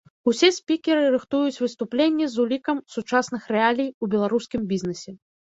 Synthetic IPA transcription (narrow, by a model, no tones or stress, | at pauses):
usʲɛsʲpʲikʲɛɾɨɾɨxt̪ujut͡sʲvɨst̪uplʲenʲːɛzulʲikɐmsut͡ʂasn̪ɨxrɛalʲijubʲɛlˠaɾuskʲimbʲiznɛsʲɛ